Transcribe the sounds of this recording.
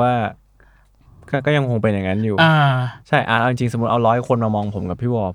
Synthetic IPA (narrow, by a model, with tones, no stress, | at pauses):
aː˥˩ | kaː˥˩kɔː˥˩ja˧ŋkʰo˧ŋpe˧nja˨˩ŋa˦˥njuː˨˩aː˧˩t͡ɕʰa˥˩jʔa̰ː˨˩ʔa˧wt͡ɕi˧ŋt͡ɕi˧ŋso˨˩m˦t̪̚ʔa˧wɾɔː˦˥jkʰo˧nmaː˧mɔː˧ŋpʰo˨˩˦mka˨˩pʰiː˥˩wɔː˧˩p̚